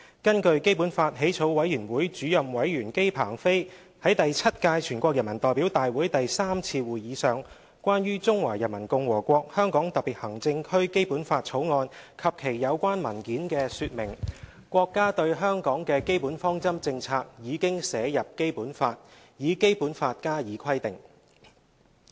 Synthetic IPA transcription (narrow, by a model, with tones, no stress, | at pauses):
kɐ˥nkɵ˧ɥke˥jpuː˨˥nfaː˧t̚ɦe˨˥jt͡sʰo˨˥wwɐ˨˥jɥyː˨˩nwuː˨˥jt͡ʃyː˨˥jɐ˨mwɐ˨˥jɥyː˨˩nke˥jpʰa̰ː˨˩ŋfe˥j | hɐ˨˥jt̪ɐ˨jt͡sʰɐ˥t̚kaː˧jt͡ʃʰyː˨˩nkʷɔ˧k̚jɐ˨˩nmɐ˨˩nt̪ɔː˨jpiː˨˥wt̪aː˨jwuː˨˥jt̪ɐ˨jsaː˥mt͡sʰiː˧wuː˨˩jjiː˨˧sœː˨ŋ | kʷaː˥nɥyː˥t͡sʊ˥ŋwaː˨˩jɐ˨˩nmɐ˨˩nkʊ˧ŋwɔː˨˩kʷɔː˧k̚hœː˥ŋkɔː˨˥ŋt̪ɐ˨k̚piː˨˩t̚hɐ˨˩ŋt͡sɪ˧ŋkʰɵ˥ɥke˥jpuː˨˥nfaː˧t̚t͡sʰo˨˥wŋɔː˧nkʰɐ˨p̚kʰe˨˩jjɐ˨˧wkʷaː˥nmɐ˨˩nkiː˨˥nkɛː˧syː˧t̚mɪ˨˩ŋ | kʷɔː˧kːaː˥t̪ɵ˧ɥɦœː˥ŋkɔː˨˥ŋkɛː˧ke˥jpuː˨˥nfɔː˥ŋt͡sɐ˥mt͡sɪ˧ŋt͡sʰaː˧k̚jiː˨˧kɪ˥ŋsɛː˨˧jɐ˨p̚ke˥jpuː˨˥nfaː˧t̚ | jiː˨˧ke˥jpuː˨˥nfaː˧t̚kaː˥jiː˨˧˥kʰɐ˥jt̪ɪ˨˩ŋ